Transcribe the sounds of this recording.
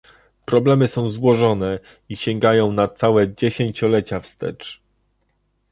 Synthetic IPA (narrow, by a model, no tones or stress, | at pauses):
pɾɔblɛmɘsɔ̃w̃zwɔʐɔnɛ | iɕɛŋɡajɔ̃w̃nat̪sawɛd͡ʑeɕeɲt͡ɕɔlɛt͡ɕafst̪ɛ̰t͡ʂ